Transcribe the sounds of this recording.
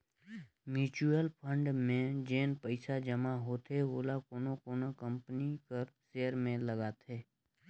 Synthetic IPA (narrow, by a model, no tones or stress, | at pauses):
mjuːt͡ʃuəlpʰə̃ɳɖmẽd͡ʒeːnpəɪsad͡ʒəmaɦoːt̪ʰeɦoːlakoːnokoːnokə̃mpnikəɾseːəɾmẽləɡaːt̪ʰeː